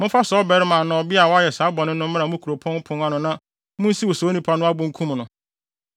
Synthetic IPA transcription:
mʊ̃˦fa˦sɔ˦bɛ˨ɾɪ˦mã˨nɔ̃ː˨bi˦a˨wɔ˦a˦jɛ˨sa˨˦bɔ˨nɪ̃˦nʊ̃˦m˦mɪ̃˦a˨mʊ̃˦kʰu˨ɾo˨pʰɔ̃˦n˦pʰʊ̃˦na˦nʊ̃˨nã˦ | mʊ̃˦n̩˦si˦wo˨so˨˦nĩ˨pʰa˦nʊ̃˦a˦bʊ̃˦ŋ̩˦kʰũ˦m˨nʊ̃˨

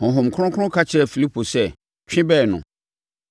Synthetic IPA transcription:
hɔ̃˨ɦʊ̃˨m˨kʰʊ˦ʊ̃˦kʰʊ̃˦ʊ̃˦kʰa˦t͡ɕʰɪ˦ɾɛ˨fi˨li˦pʰo˨sɛ˦˨ | t͡ɕᶣɪ̃˦bɛː˦˨nʊ̰̃˨

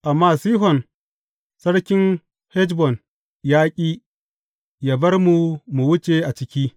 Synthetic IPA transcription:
ʔa˨mːaː˦siː˦ɦɔ˨n | sɐ˦ɽkʲɪ˦n | hɛ˦d͡ʒbɔ˨n | jaː˦kʲʼiː˦ | jaː˦bɐ˦rmu˨mu˨wʊ˦t͡ʃʼe˨ʔa˨t͡ʃɪ˦kʲiː˦

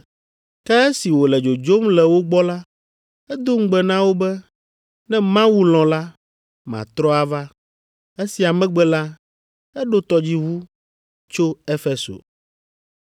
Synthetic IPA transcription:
kɛ˦ɛ˦si˨wo˨lɛ˨d͡ʒo˨d͡ʒo˦mlɛ˨wo˦ɡ͡bɔ˦la˦ | ɛ˦d̪o˦ŋ̩˦ɡ͡bɛ˦nã˦wo˦bɛ˦ | nɛ̃˦mã˦wu˦lɔ̃˨la˦ | mã̰˨t̪ɾɔ˦a˨va˦ | e˦si˨a˨mɛ̃˦ɡ͡bɛ˦la˦ | ɛ˦ɖo˦t̪ɔ˨d͡ʑi˦ɦu˦ | t͡ʃo˦e˦fe˨so̰˨

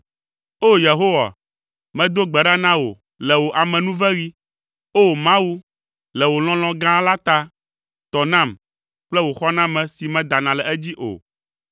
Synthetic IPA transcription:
o˦je˨ɦo˦wa̰˨ | mɛ̃˦d̪o˦ɡ͡bɛ˨ɖa˦nã˦wo̰˨ | lɛ˨wo˨ʔa˨mɛ̃˨nũ˦vɛ˦ɣi˦ | o˦˨mã˦wu˦ | lɛ˨wo˨l̃ɔ̃˦l̃ɔ̃˦ɡã˦la˦t̪a˦ | t̪ɔ˨nã˦˨m | k͡plɛ˦wo˨xɔ˦nã˦mɛ̃˨si˨mɛ̃˦d̪a˨nã˨lɛ˨ɛ˦d͡ʑi˦ʔo̰˨

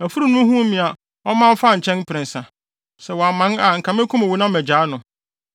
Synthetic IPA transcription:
æ˨fu˦ɾu˨nʊ̃˦ɦũ˦mĩ˨a˨ | ɔ˦mã˦m˦fa˦˨ɲ̩˨t͡ɕʰɛ̃˦n˦pʰɪ˨ɾɪ̃˨n˨sã˨ | sɛ˨wɔ˨a˨mã˨˦na˨ŋ̩˨kʰã˨mɪ̃˦kʰu˦mæ˨wu˨nã˦m˦æ˨d͡ʑaː˨˦nʊ̃˨

